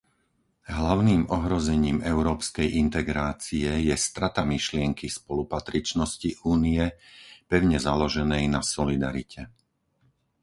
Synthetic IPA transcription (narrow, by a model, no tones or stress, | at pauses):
ɦlaʊniːmɔɦɾɔzɛɲiːmɛʊɾɔːpskɛjʔint̪ɛɡɾaːt͡siɛjɛst̪ɾat̪amiʃlɪɛŋkʰispɔlupat̪ɾit͡ʃnɔsciʔuːniɛpɛʊɲɛzalɔʒɛnɛjnasɔlid̪aɾicʰɛ